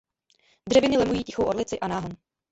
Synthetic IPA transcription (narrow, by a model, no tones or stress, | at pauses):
dr̥ɛvɪnɪlɛmujiːcɪxowʔodlɪt͡sɪʔanaːɦon